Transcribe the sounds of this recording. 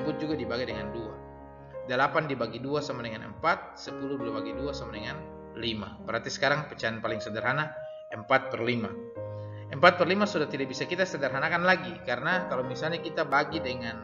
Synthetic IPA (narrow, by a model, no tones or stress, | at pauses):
bʊt̪̚d͡ʒuɡadibaɡajdəŋandua | dəlapandibaɡiduasamadɛŋanə̰mpat̪̚səpuluduabaɡiduasamadɛŋan | lima̰bəɾɦat̪isə̥kaɾaŋpət͡ʃananpalɪŋsədərɦana | ʔəmpat̪̚pərlima̰ | ʔəmpat̪̚pərlimasudaht̪idaʔbisakit̪asədərɦanakanlaɡikaɾənakalamisalɲakit̪abaɡidəŋan